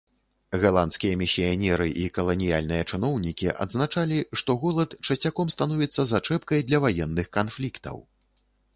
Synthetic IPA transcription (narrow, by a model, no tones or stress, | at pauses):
ɣalˠant̪skʲijɐmʲisʲijanʲɛɾɨʔikɐlˠɐnʲija̰lʲnɨjɐt͡ʂɨnɔwnʲikʲiʔɐ̰d̪znat͡ʂalʲiʂt̪ɔɣɔlˠɐt̪t͡ʂɐt͡sʲakɔmst̪anɔvʲit̪sːɐzat͡ʂɛpkɐjd̪lʲɐvajɛnːɨxkanflʲikt̪ɐ̰w